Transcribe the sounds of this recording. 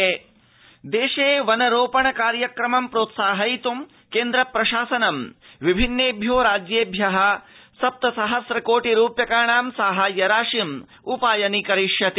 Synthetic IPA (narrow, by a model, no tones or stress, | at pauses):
e | d̪eːʃeːʋɐnɐɾoːpɐɳɐkaːɾjɐkɾɐmɐmpɾoːt̪saːɦɐit̪um | keːnd̪ɾɐpɾɐʃaːsɐnɐmʋibʱinːeːbʱjoːɾaːd͡ʒjeːbʱjɐɦɐsɐp̚t̪ɐsɐɦɐsɾɐkoːʈiɾuːpjɐkaːɳaːmsaːɦɐjɐɾaːʂim | upaːjɐnikɐɾiʃjɐt̪i